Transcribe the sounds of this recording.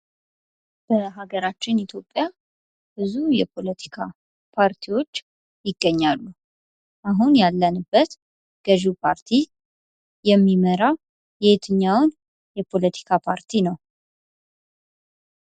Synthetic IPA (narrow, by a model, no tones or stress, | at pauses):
b̥əɦaɡəɾat͡ʃːɪnit̪ʰjo̞pʼːja | b̥ɨzujɛpʰo̞lət̪ʰi̥kʰa̰ | pʰaɾt̪ʰiwo̞t͡ʃː | jɪɡːəɲːalːu | ʔaɦunjalːənɨbːət̪ | ɡ̥əʒipʰaɾt̪ʰi | jɛmːiməɾaw | jɛhet̪ʰɨɲːawn | jɛpʰo̞lət̪ʰi̥kʰapʰaɾt̪ʰinəw